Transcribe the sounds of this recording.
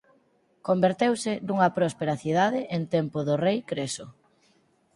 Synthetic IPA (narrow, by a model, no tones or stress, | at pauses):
kombeɾt̪ewsɪnuŋɐpɾɔspeɾaθiðaðɪʔent̪empʊðʊrejkɾesʊ